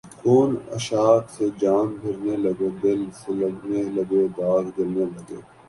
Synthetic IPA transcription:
koːnɐ̰ʃaːt̪sed͡ʒaːmbʱɪɾnelɐɡed̪ɪlsʊləɡnelɐɡeːbaːɡd̪ɪlnelɐɡeː

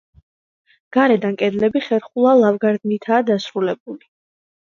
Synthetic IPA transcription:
ɡ̥aɾɛd̪ankʼɛd̪lɛbiχɛɾχulˠalˠavɡaɾd̪nit̪ʰaːd̪asɾulɛbuli

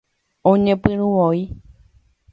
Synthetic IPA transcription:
õɲẽpɨ̃ɾũwoi

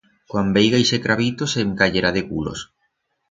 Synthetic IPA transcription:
kwambejɣajsekɾʔaβit̪oseŋkaʎeɾaðekṵlo̰s

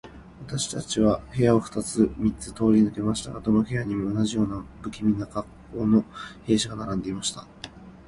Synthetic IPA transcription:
βat̪aɕi̥t̪at͡ɕiβahe̞jao̞ɸɯ̥t̪at͡sɨmʲitt͡sɨ̥t̪o̞ːɾʲinɯ̟ke̞maɕi̥t̪a̰ɡad̪o̞no̞he̞jaɲ̟imionaʑijo̞ːnabɯ̟kʲimʲinːaɡakːo̞ːno̞he̞ːɕiɡanaɾãnd̪e̞imaɕi̥t̪a

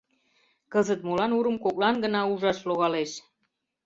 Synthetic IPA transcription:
kəzət̪̚molɑnuɾə̆mkoklɑnɡənɑuʒɑʃloɣɑleʃ

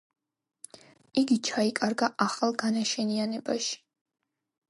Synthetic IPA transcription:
iɡit͡ʃʰaikʼaɾɡaʔaχalˠɡanaʃɛnianɛbaʃi̥

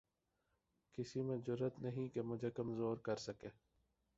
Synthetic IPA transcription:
kɪsimẽzʊɾːət̪nɐɦĩkemʊd͡ʒʱekɐmzoːɾkɐɾsɐkeː

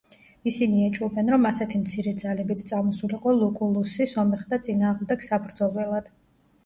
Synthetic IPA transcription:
isiniɛt͡ʃʼɔbɛnɾɔmasɛt̪ʰimt̪sʰiɾɛd̪zalɛbit̪ʰt̪sʼamɔsuliqʼɔlˠukʼulˠusisɔmɛχd̪at̪sʼinaːʁmd̪ɛɡ̥sabɾd̪zɔlˠwɛlˠad̪̥

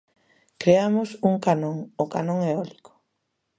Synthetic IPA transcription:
kɾeamʊsuŋkanõŋʊkanõŋɛɔlikʊ̥

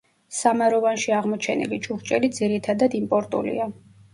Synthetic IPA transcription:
samaɾɔvanʃiaʁmɔt͡ʃʰɛnḭlit͡ʃʼuʁt͡ʃʼɛlid̪ziɾit̪ʰad̪ad̪impʼɔɾt̪ʼṵlḭa

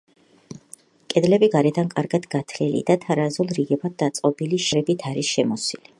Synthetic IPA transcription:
kʼɛd̪lɛbiɡaɾɛd̪ankʼaɾɡad̪ɡ̥at̪ʰlilḭd̪at̪ʰaɾazulˠɾiɡɛbat̪̚d̪at̪sʼqʼɔbiliʃɛɾɛbit̪ʰaɾisʃɛmɔsili

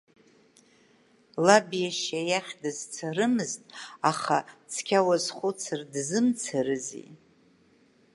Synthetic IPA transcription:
labjaʃajaχʲdɨzt͡sʰaɾɨmɨztʼaχat͡sʰkʲʰawazχʷʊt͡sʰɨrdzɨmt͡sʰaɾɨzḭ

